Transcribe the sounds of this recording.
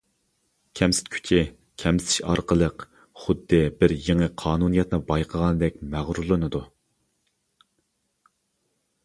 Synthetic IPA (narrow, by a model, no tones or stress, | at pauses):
kʲʰɛmsɪ̥t̪kʲʰy̥t͡ʃʰi | kʲʰɛmɪ̥t̪ʰɪ̥ʃɑ̰ɾqəlˠəq | χʊd̪ːɨbɪɾjeŋəqʰɑːnunijɛt̪nɨbɑjqʰəʁɑnɨd̪ɛk̚ʲmæʁɾulˠɨnɨd̪u